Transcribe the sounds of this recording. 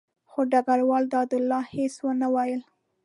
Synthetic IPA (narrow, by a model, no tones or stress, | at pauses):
xoɖaɡaɾwɑld̪ɑd̪ʊlːɑheswənawɑjəl